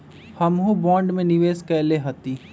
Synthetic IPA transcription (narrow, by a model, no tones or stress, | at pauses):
hɐmɦũbɔ̃ːɳɖmẽnɪʋeːskɛːleɦɐt̪iː